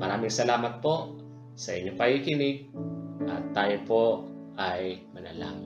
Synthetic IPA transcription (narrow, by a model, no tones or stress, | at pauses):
mɐɾaːmɪŋsɐlaːmɐt̪̚poʔ | sɐʔɪɲːokɐhikɪnɪɡ̚ʔɐ̰t̪ːaːjopoʔ | ajmɐnɐla̰ːm